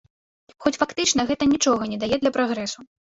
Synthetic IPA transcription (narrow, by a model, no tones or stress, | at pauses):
xɔt͡sʲfakt̪ɨt͡ʂnɐɣɛt̪ɐnʲit͡ʂɔɣɐnʲɛd̪ajɛd̪lʲɐpɾaɣɾɛsu